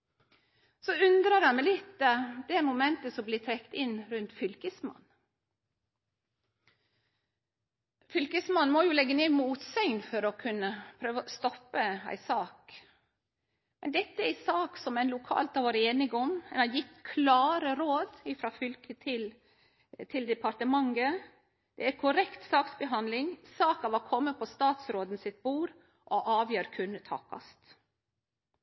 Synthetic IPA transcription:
sɔʉnd̪ɾəɾɑnmɛɪlɪt̪ːd̪ɛæɾmʊmɛnt̪əsɔmblɪːt̪ʰɾɛkt̪ɪnɾʉnt̪fʏlkəsmɑ̰nː | fʏlkəsmɑnːmɔjʊːlɛɡːəneːmuːt̪sœŋnfɔɾɔkʰʉnːəpʰɾøːʋəst̪ɔpːəæ̰ɪsɑːk | mɛnd̪ɛt̪ːəæsɑːksɔmæɪnlʊkʰɑ̰ːlt̪ɑɾʋoːɾəeːnɪɡɔmɛnɑjɪt̪ːkʰlɑːɾəɾoːd̪ɪfɾɑfʏlkət̪ʰɪl | t̪ʰɪld̪ɛpʰɑɾʈ̪əmɑŋːə | d̪̥ɛæɾkʰʊɾɛkt̪sɑːksbəɦɑnd̪lɪŋsɑːkɑʋɑkʰɔmːəpʰɔst̪ɑːt̪sɾoːd̪n̩sɪt̪̚buːɾ | ʔɔʔɑːʋjøːɾkʰʉnːət̪ʰɑ̰ːkʰɑ̰st̪

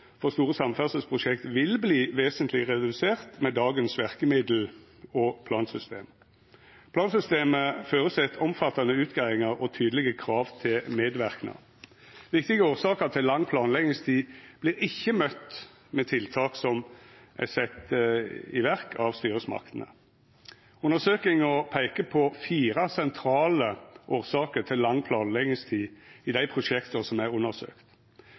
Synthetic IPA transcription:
fɔʁst̪uːʁəsɑmːfæʁsəlspʰʁʊʃɛkt̪ʋɪlbliːʋeːsənt̪lɪʁɛd̪ʉseːʁt̪mɛd̪ɑːɡənsʋæʁkəmɪd̪l̩ | ɔpʰlɑːnsʏst̪ḛːm | pʰlɑːnsʏst̪eːməføːʁəsɛt̪ʰɔmfɑt̪ːɑnəʉːt̪ɡæɪɪŋəʁɔt̪ʰyːd̪əlɪɡəkʰʁɑːʋt̪ʰɪlmeːd̪ʋæʁknə̰ | ʋɪkt̪ɪɡəoːʁsɑːkət̪ʰɪlːɑŋːpʰlɑːnlɛɡ̪ɪŋst̪ʰiːb̥lɪɾɪçːəmœt̪ː | mɛt̪ʰɪlt̪ʰɑːksɔmʔæ̰ɪsɛt̪ː | ɪ̰ʋæʁkʰɑʋst̪yːɾəsmɑ̰kt̪nə̰ | ʉnːəsøːkɪŋɔpʰæɪkəpʰɔfiːɾɑsɛnt̪ʰɾɑːləʔoːʁsɑːkəʁt̪ʰɪlːɑŋːpʰlɑːnlɛɡɪŋst̪ʰiːɪd̪æɪpʰʁʊʂɛkt̪əʁsɔmæɪʁʊnːəsø̰ːkt̪

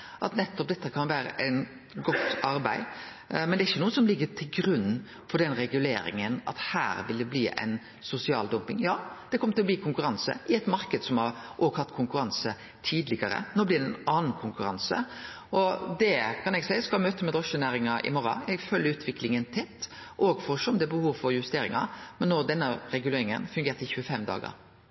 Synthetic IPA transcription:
ʔɑt̪nɛt̪ːɔp̚d̪ɛt̪ːəkʰɑnʋæːɾə̰ʔæn | ɡɔt̪ːɑɾbæɪ | mɛnd̪ɛɾɪçːənuːəsɔmlɪɡːət̪ʰɪlɡɾʉnː | fɔɖ̪ɛnɾɛɡʉlḛːɾɪ̰ŋənɑ̰t̪hæ̰ːɾʋɪld̪ɛbliːʔæ̰ɪn | sʊsɪɑ̰ːld̪ɔmpɪŋjɑːd̪̥ɛkʰɔmət̪ɪlɔbliːkʰʊŋkʉɾɑnsə̰ʔɪɛt̪mɑɾkəd̪sɔmhɑɾʔoːɡhɑt̪ːkʰʊŋkʉɾɑnsə | t̪ʰiːd̪lɪɡəɾə̰noːblɪd̪ɛnɑːnn̩kʰʊŋkʉɾɑ̰nsə̰ | ɔd̪ɛkʰɑnɛɡsæɪəskɑlmøːt̪əmɛd̪ʁɔʂənæːɾɪŋɑʔɪ̰mɔɾɑ̰ɛɡføːlːəʉːt̪ʰʋɪklɪŋənt̪ʰɛt̪ːʔɔɡfɔʂɔmd̪ɛbəhuːʋfɔɾjʉst̪eːɾɪŋɑ̰mɛnːoːd̪ɛnːəɾɛɡʉleːɾɪŋə̰nfʉŋɡeːɾt̪əɪçʉːəfɛmd̪ɑ̰ːɡə̰ɾ

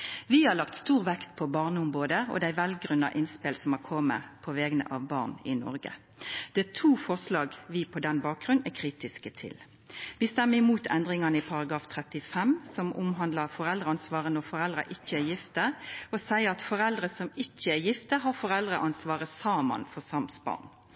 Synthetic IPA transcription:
ʋɪhɑʁlɑkt̪st̪uːʁʋɛkt̪pʰɔbɑʁnəʊmʁoːd̪əɔ̰d̪æɪʋɛlɡʁʉnːɑ̰ʔɪnspɛlsɔmɑkʰɔmːə̰pʰɔʋɛːɡənə̰ʔɑʋbɑ̰ːʁnɪnɔ̰ɾɡə̰ | d̪̥ɛt̪ʰuːfɔʁslɑːɡʋɪpʰɔd̪ɛnbɑːk̚ɡʁʉnækʰʁiːt̪ɪskət̪ʰɪ̰l | ʋɪst̪ɛmːəɪmuːt̪ʰɛnd̪ʁɪŋɑnəɪpʰɑʁɑɡʁɑːft̪ʰʁɛt̪ɪfɛmsɔmʊmɦɑnd̪lɑfɔʁɛld̪ʁəɑnsʋɑːʁənɔʁfɔʁɛld̪ʁɑ̰ʔɪçːəæjɪft̪əɔsæɪəʁɑt̪fɔʁɛld̪ʁəsɔmɪçːəæjɪft̪əɦɑʁfɔʁɛld̪ʁəʔɑnsʋɑːʁəsɑːmɑ̰nfɔʁsɑmsbɑ̰ːn

